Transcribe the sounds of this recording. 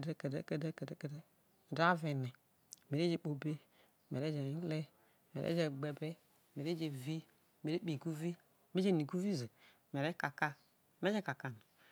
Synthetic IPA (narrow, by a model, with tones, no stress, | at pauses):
de˦ke˨de˦ke˦de˦ke˨dke˨˦d | da˦vɛ˨nɛ˨ | me˨ɾe˦d͡ʒe˧˨k͡po˨be˦ | me˨e˦d͡ʒe˨i˦lɛ˦˨ | mḛ˨ɾʔḛ˦d͡ʒe˧ɡ͡bɛ˨bɛ˦˨ | me˨ɾe˦d͡ʒe˧vi˦˨ | me˨ɾe˦k͡pi˨ɡu˦vi˦˨ | me˦d͡ʒe˦˨ni˨ɡu˦vi˦ze˨ | me˨ɾe˦ka˨ka˧ | me˦d͡ʒɛ˦ka˨ka˨na˨